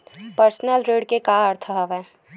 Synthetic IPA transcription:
pəɾsnəlɾeːɖkekaːəɾt̪ʰəɦəʋɛ̃ː

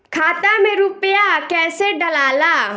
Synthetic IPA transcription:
kʰaːt̪amẽɾupjakɛːseɖɐlaːlaː

